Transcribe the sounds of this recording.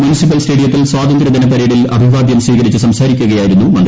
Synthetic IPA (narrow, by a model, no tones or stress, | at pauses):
mjunisip̬ːɐlsʈe̞ːɽijɐt̪ːilswaːd̪ɐnd̪ɾɐd̪ɐnɐpɐɾeːɽilɐ̰bʱiʋaːd̪jɐmswiːɣɐɾit͡ɕːɨsɐmsaːɾikʲːuɣɐjaːjiɾunːumɐɳ